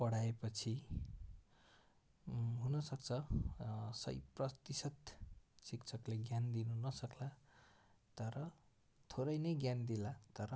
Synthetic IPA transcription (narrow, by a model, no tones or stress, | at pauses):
pʌɽaepʌt͡sʰi | ɦunʌsʌk̚t͡sʰʌ | sʌ̰jprʌt̪isʌt̪sikt͡sʰʌkleɡjand̪inunʌsʌkla | t̪ʌɾʌ | t̪ʰoɾʌjnʌjɡjand̪ilat̪ʌɾʌ